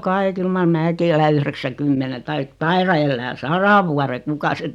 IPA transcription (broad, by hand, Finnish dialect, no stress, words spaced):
kɑi kyl mɑr mæːki elæ yhreksækymːene tɑik tɑirɑ elːæː sɑrɑ ʋuɑre kukɑ sen̆